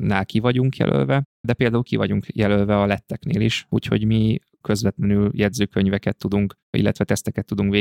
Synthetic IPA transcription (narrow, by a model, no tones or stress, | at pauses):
naːlkivɒɟuŋkjɛ̰lʔø̰lvɛd̪ɛpeːld̪aːulkivɒɟuŋkjɛlølvɛɒlɛt̪ːɛknḛːliʃṵːcho̞̰ɟmi | kø̞zʋɛt̪lɛnyljɛd̪zøːkøɲvɛkɛt̪ːud̪uŋk | ḭlːɛt̪ʋɛt̪ɛst̪ɛkɛt̪ːud̪uŋkʋeː